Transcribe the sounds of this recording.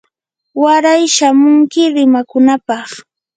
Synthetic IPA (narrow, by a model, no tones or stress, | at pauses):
waɾajʃamʊŋkɪɾɪmakʊnapɑχ